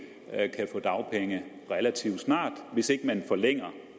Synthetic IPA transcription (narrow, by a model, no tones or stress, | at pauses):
kʰæfɔ̰̽ːd̥ɑ̈ʊpʰeŋə | ʁɛlæt͡sʰiʊ̰d̥snɑ̰̈ːd̥ʋe̝se̝ɡ̥əmænfɒ̽leŋ̰ɐ